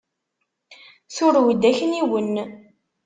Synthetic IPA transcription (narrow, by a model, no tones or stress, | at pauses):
θʊɾwid̪ːæçəniwən